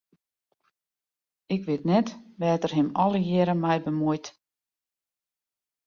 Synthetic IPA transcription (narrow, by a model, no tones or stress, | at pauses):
ɪkʋɪtnɛtʋɛːtərɦɪmɔlˠəjɪɾəmɛjbəmujt